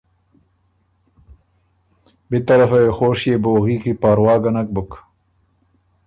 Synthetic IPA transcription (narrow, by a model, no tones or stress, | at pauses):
bit̪ɐɾɐfaexoːʂjeboːɣiːkipaːɾwɑːɡɐnɐk̚buk